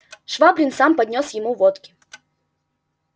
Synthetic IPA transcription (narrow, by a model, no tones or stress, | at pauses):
ʂvabɾʲɪnsampɐd̪ʲnʲosjɪmuvɔt̪kʲɪ̥